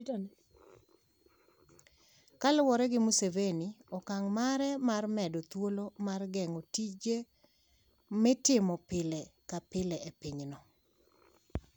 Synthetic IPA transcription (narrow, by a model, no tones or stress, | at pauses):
tn | kalwɔɾɛɡɪmuseveniɔkaŋmaɾɛmarmɛdɔt̪wolomarɡɛŋotid͡ʒe | mɛtɪmɔpɪlɛkapɪlɛʔepɪɲnɔ